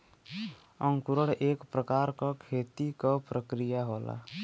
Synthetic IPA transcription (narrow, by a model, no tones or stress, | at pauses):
ə̃ŋkʊɾəɽʔeːkpɾəkaːɾkakʰeːt̪ikɔpɾəkɾijaɦoːla̰